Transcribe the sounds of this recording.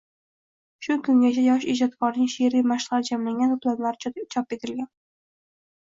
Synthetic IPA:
ʃʊkʰʊŋɡʲat͡ʃʰajɒʃɪd͡ʒɒt̪̚kʰɒɾnɪŋʃeɾimaʃʁɑɾɪd͡ʒamlaŋɡʲanʰʊplanlaɾʰt͡ʃʰɒpet̪ʰɪlɡʲan

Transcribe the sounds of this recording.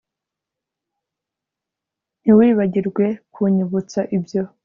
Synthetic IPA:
n̥iwiːβaɟiɾɡwe̞kʰuɲuβut͡saʔibjo̞

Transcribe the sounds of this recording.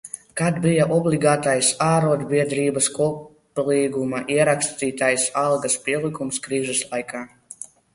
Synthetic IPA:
kad̪bijaʔɔblˠiɡaːt̪ajsaːɾuɔd̪bʲiɛd̪ɾiːbaskuɔ | lˠiːɡumaʔiɛɾakst̪iːt̪ajsalˠɡaspʲiɛlˠikumskɾiːʒɛslˠajkʰaː

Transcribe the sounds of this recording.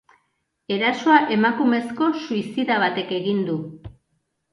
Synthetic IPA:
e̞ɾaso̞aʔe̞makume̞sko̞suisiðaβ̞at̪e̞ke̞ɣind̪u

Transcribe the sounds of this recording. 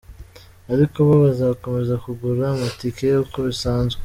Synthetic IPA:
aɾiko̞βaβazako̞me̞zakuɡuɾamatikejukʰo̞βisaːnzwe

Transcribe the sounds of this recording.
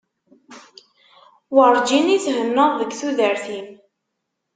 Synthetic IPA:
wəɾˤd͡ʒinit͡sɦənːəðˤðəɡθuðəɾθin

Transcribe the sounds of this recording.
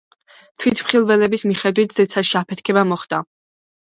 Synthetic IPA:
t̪ʰwit̪ʰmχilˠvɛlɛbismiχɛd̪wit̪̚ʰz̥ɛt̪sʰaʃiapʰɛt̪ʰkʰɛbamɔχd̪̥a

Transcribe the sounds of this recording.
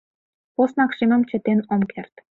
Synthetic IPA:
osnɑkʃimə̆mt͡ɕə̆t̪enomkert̪

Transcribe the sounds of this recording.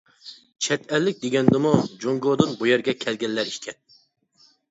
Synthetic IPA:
t͡ʃʰɛt̪ɛlːɪk̚ʲd̪eɡʲɛnd̪ɪmud͡ʒoŋɡod̪ɨnbujɛɾɡʲɛkʲʰɛlɡʲɛlːæɾiʃkʲʰɛn

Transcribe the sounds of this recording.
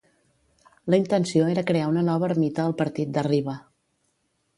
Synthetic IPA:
ləint̪ənsioeɾəkɾeaunənɔβəːɾmit̪əːlˠpəɾt̪it̪̚d̪əriβə

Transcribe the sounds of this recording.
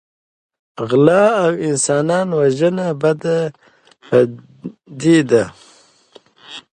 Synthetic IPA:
ɣlɑːawɪnsɑːnɑːnwaʒənabad̪a | pa | d̪id̪a

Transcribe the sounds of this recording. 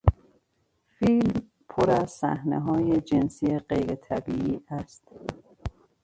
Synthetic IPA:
fiːlm | pʰoɾæzsæ̰hnḛɦɒːjed͡ʒensijeɢejɾet̪ʰæbiːʔiːʔæst̪

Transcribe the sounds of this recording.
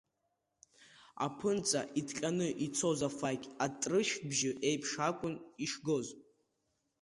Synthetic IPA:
a̰pʰɨnt͡sʼa̰ʔitkʲʼanɨʔit͡sʰo̞zafakʲʼatʼrɨʃᶣbʒɪʔe̞jpʰʂakʷʼʊniʂɡoz

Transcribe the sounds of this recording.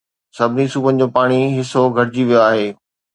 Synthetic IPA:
sɐbʱɪnisuːbənɪ̆d͡ʑoːpaːɽ̃iɦɪsoɡʱɐɾɪd͡ʑiʋijoaːɦeː

